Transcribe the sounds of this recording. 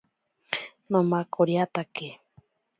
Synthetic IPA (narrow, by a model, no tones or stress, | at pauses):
nõmakʰoɾiat̪ake